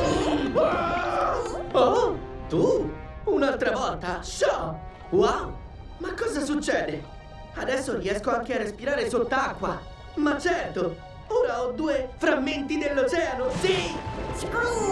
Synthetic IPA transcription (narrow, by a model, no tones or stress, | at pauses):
ot̪uunalt̪ɾavɔlt̪aʃɔ | waw | makːɔːzasut͡ʃːɛːd̪e | ad̪ɛsːoɾiɛskoaŋk̟earːespiɾaːɾesot̪ːaakːwa | mat͡ʃːɛrt̪o | oːɾaɔd̪ːuːefɾamːent̪id̪elːot͡ʃɛːanosi